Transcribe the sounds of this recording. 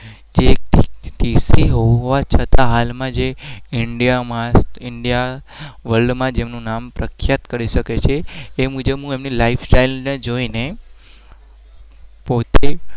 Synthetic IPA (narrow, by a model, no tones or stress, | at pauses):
d͡ʒeʈisiɦoʋat͡ʃʰət̪aɦalmãd͡ʒeɪɳɖijamãsɪɳɖijaʋəlɖmãd͡ʒemnũnampɾəkʰjat̪kəɾiʃəket͡ʃʰeːmud͡ʒəbɦũemnilaifʰsʈailned͡ʒoine | pot̪e